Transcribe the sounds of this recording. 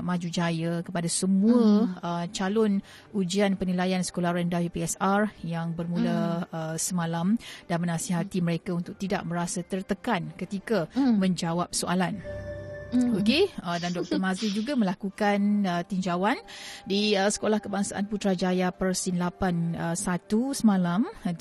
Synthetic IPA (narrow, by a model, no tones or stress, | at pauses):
mãd͡ʒud͡ʒajəkəpadasəmũəət͡ʃalɔn | ud͡ʒianpənilajansə̥kolahɾɛndajupiɛsarjaŋbərmũləəsəmãlamd̥anmənasiɦat̪iməɾekaunt̪ʊk̚t̪ida̰ʔ̚məɾasat̪ərt̪əkankət̪ikamə̃ɲd͡ʒawap̚soʔalan | okeədandɔk̚t̪ərmãzid͡ʒuɡamə̃lakukanət̪iɲd͡ʒawandiəsə̥kolahkəbaŋsaʔa̰nput̪ɾad͡ʒajapərsinlapanəsat̪usəmãlam